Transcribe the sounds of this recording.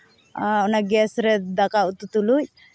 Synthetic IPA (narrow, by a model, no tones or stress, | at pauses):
unaɡesɾed̪ɐkaut̪ut̪uluj